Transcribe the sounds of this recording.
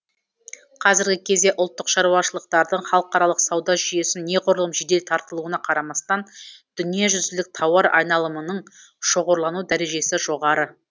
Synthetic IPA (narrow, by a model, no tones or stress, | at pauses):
qʰɑzɪɾɡʲɪkʲʰe̞zd̪e̞ʔʊlˠt̪ːəqʃɑɾuɑʃəlˠəq̚t̪ɑɾd̪əɴχɑlˠəqɑɾɑlˠəqsɑwd̪ɑʒʏje̞sɪnːe̞qʰoɾəlˠəmʒed̪e̞lt̪ʰɑɾt̪əlˠuwənɑqʰɑɾɑmɑst̪ɑnd̪̥ʏnijeʒʏzɪlɪk̚t̪ʰɑwɑɾɑ̰jnɑlˠəmənəɴʃo̞ʁo̞ɾlˠɑnud̪æɾe̞ʒe̞sɪʒo̞ʁɑɾə